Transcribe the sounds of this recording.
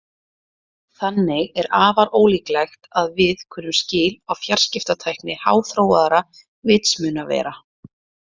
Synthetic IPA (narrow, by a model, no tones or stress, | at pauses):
θanːɪɣɛɾaːvaɾoːwliːklajxt̪aðvɪðkʰʏːnːʏmscɪːlawfjar̥scɪft̪at̪ʰajknɪha̰ːwθɾoːwaðaɾa | vɪt̪smʏːnavɛ̰ːɾa